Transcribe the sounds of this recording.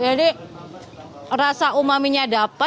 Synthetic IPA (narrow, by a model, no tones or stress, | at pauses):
jali | rasaumamiɲadapa